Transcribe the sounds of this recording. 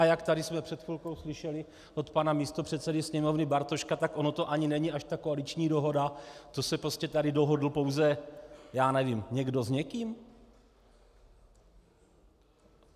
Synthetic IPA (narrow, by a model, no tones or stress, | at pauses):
ajakt̪adɪsmɛpr̥ɛt̪xɪlko̞wslɪʃɛlɪ | ʔot̪panamiːst̪opr̝̥ɛt̪sɛdɪsɲɛmo̞vnɪbaɾt̪o̞ʃkat̪akʔo̞no̞t̪o̞ʔaɲɪnɛɲɪaʃt̪akoalit͡ʃɲiːdoɦo̞dat̪o̞sɛpɾo̞scɛt̪adɪdo̞ɦo̞dl̩po̞wzɛjaːnɛvimɲɛɡdo̞zɲɛkiːm